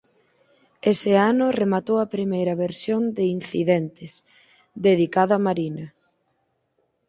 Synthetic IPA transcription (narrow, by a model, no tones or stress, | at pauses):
esɪanʊremat̪owɐpɾimejɾɐβeɾsjond̪ɪin̟θḭðent̪ɪs | d̪eð̞ikaðoamaɾinɐ